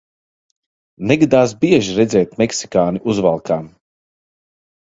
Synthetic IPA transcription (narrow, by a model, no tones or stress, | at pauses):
nɛɡad̪aːs̬biɛʒiɾɛd̪zɛːt̪mɛksi̥kaːniʔuzvalˠkaːm